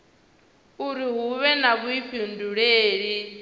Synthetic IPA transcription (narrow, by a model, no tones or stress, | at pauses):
uɾiɦuβɛnaβuiɸʰinduɺeːɺi